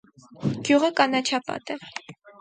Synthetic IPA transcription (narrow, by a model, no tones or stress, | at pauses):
ɡ̥juʁəkɑnɑt͡ʃʰɑpɑ̰t̪ɛ